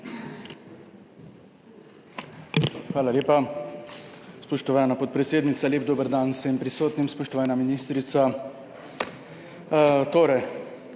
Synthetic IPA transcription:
xʋaːlalʲeːpa | spɔʃt̪ɔʋaːnapɔt̪̚pɾɛt̪seːd̪nit̪salʲeːbd̪oːbəɾd̪ansɛmpɾisoːt̪nimspɔʃt̪ɔʋaːnaminist̪ɾit̪sa | t̪oːɾɛj

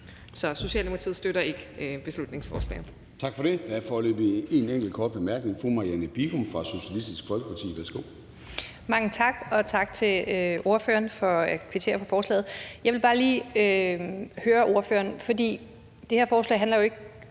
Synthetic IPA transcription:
sɒ̽so̝ɕɛ̰ːlnmu̥ɑt͡sʰið̩ˠsd̥øɾɐe̝ɡ̥əb̥e̝slud̥ne̝ŋsfɒːslɛ̰ːn̩ˠ | t͡sʰɑ̈ɡ̥fɒ̽ɾ̥e̝d̥ææɐfɒːlø̰ːb̥ie̝neŋɡ̥l̩kʰɒːd̥̚b̥emæɐɡ̥ne̝ŋfumɑ̈jænəb̥iɡ̥omfʁɑ̈so̝ɕiælisd̥isɡ̥fɒ̽lɡ̥əpʰɑ̈t͡sʰḭːʋæsɡ̥o̰ | mɑ̈ŋət͡sʰɑ̈ɡ̥ɒ̽t͡sʰɑ̈ɡ̥t͡sʰe̝lo̝ɐfø̰ːɐnfɒ̽kʰʋit͡sʰe̝̰ɐpʰɒ̽fɒːslɛ̰ːð̞̩ˠjɑ̈ɪʋe̝lb̥ɑ̈ːliːø | høːɐʔo̝ɐfø̰ːɐnfɒ̽dḭː | d̥e̝heɐfɒːslɛ̰ɪɦænlɐjo̝e̝ɡ̥

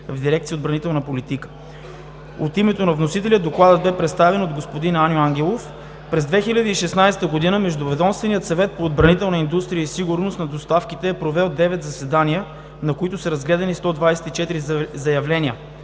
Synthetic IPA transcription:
vd̪iɾɛk̚t̪siəod̪bɾɐnit̪ɛlˠnɐpolit̪ikə̥ | ot̪imɛt̪onɐvnosit̪ɛliəd̪oklˠad̪əd̪̚bɛpɾɛt̪st̪avɛnod̪ɡospod̪inanʲjoaŋɡʲɛlˠof | pɾɛzd̪vɛxilʲɐd̪əiʃɛsnajsɛ̥t̪əɡod̪inəmɛʒd̪ʊvɛd̪ɔmst̪vɛnijət̪sɐvɛt̪̚poːd̪bɾɐnit̪ɛlˠnəind̪ust̪ɾijəisiɡʊɾnosnɐd̪ost̪afkit̪ɛːpɾovɛlˠd̪ɛvɛt̪zɐsɛd̪aniə | nɐkoit̪ʊsɐɾɐzɡlɛd̪ɐnist̪ɔd̪vajsɛ̥t̪it͡ʃɛt̪iɾizɐjɐvlɛniə

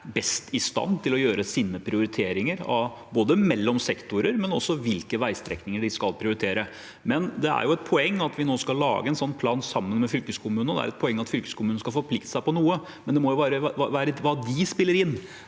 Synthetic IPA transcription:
bɛst̪ʰɪst̪ɑ̰nːt̪ʰɪlɔjøːɾəsiːnəpʰɾɪʊɾɪt̪ʰeːɾɪŋəɾɑ̰ʋboːd̪əmɛlːɔmsɛkt̪ʊɾəɾmɛnɔsːɔʋɪlkəʋæɪst̪ɾɛ̰knɪŋəɖɪskɑlpʰɾɪʊɾɪt̪ʰeːɾə | mɛnd̪ɛæ̰ɾjʊɛt̪̚pʰɔɛŋːɑt̪ʰʋɪnoːskɑllːɑ̰ːɡəɛnsɔnːpʰlɑːnsɑmːənmɛfʏlkəskʰʊmʉːnənd̪ɛ̰æ̰ɾɛt̪̚pʰɔɛŋːɑt̪fʏlkə̥skʰʊmʉːn̩skɑfɔɾpʰlɪkt̪ə̥sæɪpɔnuːə | mɛnd̪ɛmɔjʊʋæːɾəʋæːɾəʋɑːd̪ɪspɪlːəɾɪnː

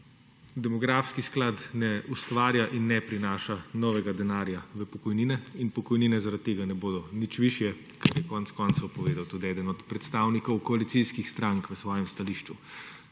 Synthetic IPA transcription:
d̪ɛmɔɡɾaːfskisklat̪nɛʔust̪ʋaːɾjaʔinːɛpɾinaːʃanɔːʋɛɡad̪ɛnaːɾjaʋəpɔkɔjniːnɛinpɔkɔjniːnɛzaɾat̪ːeːɡanɛboːd̪ɔnit͡ʃʋiʃjɛ | kɐtjɛkɔnɛt̪skɔnt̪sɐwpɔʋeːd̪awt̪ud̪iɛd̪ənɔt̪pɾɛt̪st̪aːwnikɔwkɔalit̪siskixst̪ɾaŋkʋəsʋɔːjɛmst̪aliːʃt͡ʃu

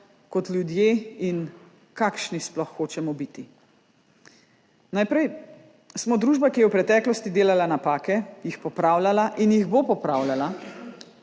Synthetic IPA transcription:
kɔt̪lʲjud̪jeːin | kakʃnisplɔxːoːt͡ʃɛmɔbit̪i | najpɾɛj | smɔd̪ɾuːʒbakijɛwpɾɛt̪ɛːklɔst̪id̪eːlalanapaːkɛjixpɔpɾaːwlalaʔinjiɣbopɔpɾaːwlala

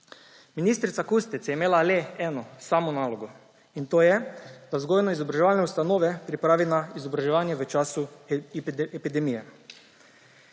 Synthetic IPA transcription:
minist̪ɾit̪sakust̪it̪sjɛimeːlaleɛːnɔsaːmɔnaːlɔɡo | int̪oːjɛd̪̥azɡojnɔizɔbɾaʒɛʋaːlnɛust̪anoːʋɛpɾipɾaːʋinaizɔbɾaʒɛʋaːnjɛʋət͡ʃasu | pid̪ɛmijɛ

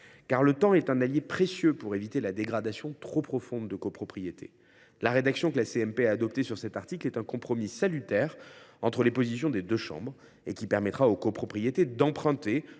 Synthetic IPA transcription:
kaʁlət̪ɑ̃ɛt̪ɛ̃naljepχesjøpuʁevit̪elad̪eɡʁad̪asjɔ̃t̪χopχɔfɔ̃d̪ːəkopχɔpχijet̪ʰḛ | laʁed̪aksjɔ̃kəlaseɛmpeaːd̪ɔp̚t̪esyʁsɛt̪aʁt̪iklɛt̪ɛ̃kɔ̃pχɔmisalyt̪ɛʁɑ̰̃t̪χəlepozisjɔ̃d̪ed̪øʃɑ̰̃bʁ | ekʲipɛʁmɛt̪χaokopχɔpχijet̪ed̪ɑ̃pχɛ̃t̪e

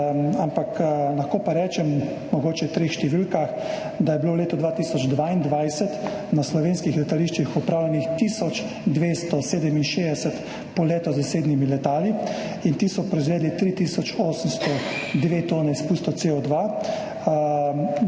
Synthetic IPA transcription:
ampaklaxkoːpaɾɛːt͡ʃɛm | mɔɡoːt͡ʃɛwt̪ɾeːxʃt̪ɛʋilkax | d̪ajɛbiloːwleːt̪ɔd̪ʋat̪iːsɔd͡ʒd̪ʋaind̪ʋajsɛt̪ | naslɔʋeːnskixlɛt̪aliʃt͡ʃixɔpɾaːwlɛnixt̪iːsɔt͡ʃ | d̪ʋeːst̪ɔseːd̪ɛminʃed̪ɛsɛt̪ | pɔleːt̪ɔzaseːd̪nimilɛt̪aːli | int̪iːsɔpɾɔizʋɛːd̪lit̪ɾit̪isɔt͡ʃoːsəmst̪ɔd̪ʋet̪oːnɛispuːst̪ɔt̪seɔd̪ʋa

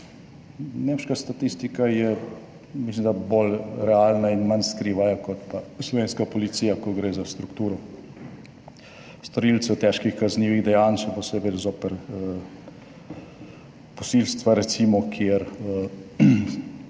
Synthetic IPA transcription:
neːmʃkast̪at̪ist̪ikajɛ | mislimd̪aboːlɾɛalnainmanskɾiːʋajakɔt̪paslɔʋeːnskapɔlit̪siːjakɔɡɾeːzast̪ɾukt̪uːɾɔ | st̪ɔɾilt̪sɛt̪ɛʃkixkazniːʋiɣd̪ɛjaːnʃɛpɔsebɛzoːpɛɾ | pɔsilst̪ʋaɾɛt̪siːmɔkʰiɛɾə

